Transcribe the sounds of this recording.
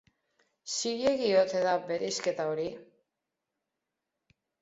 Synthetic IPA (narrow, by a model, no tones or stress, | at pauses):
siɣeɣiot̪eðabe̞ɾiske̞t̪aoɾi